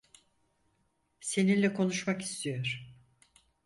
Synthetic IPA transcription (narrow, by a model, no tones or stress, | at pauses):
se̞ninlʲɛkʰo̞nuʃmaki̥st̪ʰijo̞ɾ̥